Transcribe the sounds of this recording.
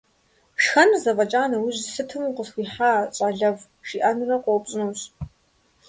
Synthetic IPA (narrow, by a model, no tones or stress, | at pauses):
ʂxɐnzɐvʼɐt͡ʃʼaːnɐwiʑsɨtʰɨmuqəsxʷiːħaːɕʼaɮɐv | ʃiʔanɨrɐqʷopʼɕʼɪnuːɕ